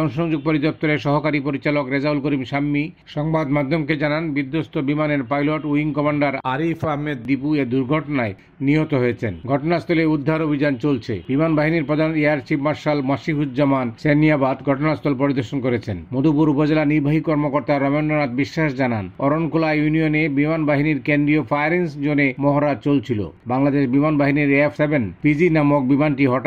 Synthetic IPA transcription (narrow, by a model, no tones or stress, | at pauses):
ɔŋʃoŋd͡ʑoɡ̚poɾid̪ɔp̚t̪oɾeʃɔɦokaɾipoɾit͡ɕalokɾed͡ʑaulkoɾimʃamːiʃɔŋbad̪mad̪ʱːomked͡ʑananbid̪ːost̪ʰobimaneɾpajloʈuiŋkɔmaɳɖaɾaɾifaɦmed̪ːipued̪uɾɡʱɔʈonae | niɦot̪oɦojet͡ɕʰenɡʱɔʈonast̪ʰɔleud̪ʱːaɾobʱid͡ʑant͡ɕolt͡ɕʰḛbimanbaɦiniɾpɾɔd̪ʱaneaɾt͡ɕipmaɾʃalmaʃiɦut̪d͡ʑamanseniabad̪ɡʱɔʈonast̪ʰolpoɾid̪oɾʃonkoɾet͡ɕʰenmod̪ʱupuɾupod͡ʑelaniɾbʱaɦikɔɾmokoɾt̪aɾɔmonɖonat̪̚biʃːaʃd͡ʑananɔɾonkolajunionebimanbaɦiniɾkend̪ɾiopʰajaɾensd͡ʑonemɔɦoɾad͡ʑt͡ɕolt͡ɕʰilo̰baŋlad̪eʃbimanbaɦiniɾefʰsebenpid͡ʑinamok̚bimanʈiɦɔʈ